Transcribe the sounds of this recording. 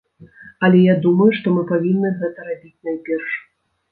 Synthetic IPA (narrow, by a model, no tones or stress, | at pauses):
ɐlʲɛjad̪umɐjuʂt̪ɔmɨpavʲinːɨɣɛt̪ɐɾabʲit͡sʲnajpʲɛrʂ